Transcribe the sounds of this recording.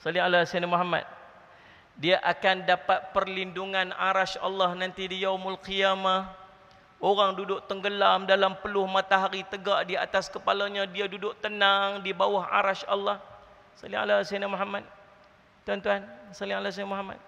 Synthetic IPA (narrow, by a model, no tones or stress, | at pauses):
salɪŋalasanamuɦama̰t̪̚ | diaʔakandapat̪̚pərlinduŋana̰ɾaʃa̰lːahnant̪idijawmʊlqiamah | oɾaŋdudʊʔt̪əŋɡəlamdalampəlʊhmat̪aɦaɾit̪əɡaʔdia̰t̪askəpalaɲadiadudʊʔt̪ənaŋdibawaɦa̰ɾaʃa̰lːɑh | salɪŋʔa̰lasanamuɦamat̪̚ | t̪uɦant̪uɦansalɪŋalas̬anamuɦama̰t̪̚